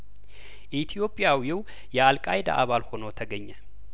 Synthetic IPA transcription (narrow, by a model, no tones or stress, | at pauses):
ʔit̪ʰijo̞pʼːjawjiw | jɛalkʼajd̪a̰ʔaβalho̞nət̪ʰəɡəɲːə